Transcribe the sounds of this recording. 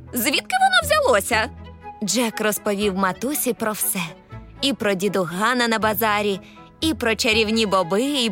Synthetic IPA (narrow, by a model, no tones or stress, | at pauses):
zʋʲit̪kɪʋɔnɔwzʲɐlˠɔsʲɐd͡ʒɛkrɔspɔʋʲiwmɐt̪usʲipɾɔwsɛipɾɔdʲid̪ʊɦɑnɐnɐbɐzɑɾʲi | ipɾɔt͡ʃeɾʲiwnʲibɔbɪi